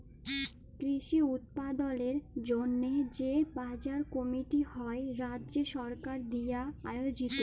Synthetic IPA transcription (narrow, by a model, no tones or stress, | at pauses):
kɾiʃiut̪̚pad̪oleɾd͡ʑonːed͡ʑebad͡ʑaɾkɔmiʈihɔeɾadːʑeʃɔɾkaɾd̪ijaaeod͡ʑit̪o